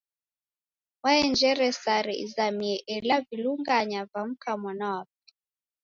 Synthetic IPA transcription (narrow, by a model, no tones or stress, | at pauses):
waɛnd͡ʒɛɾɛsaɾɛ̰ḭzamiɛʔɛlaviluŋɡaɲavam̩kamwanawap̚ɛ̥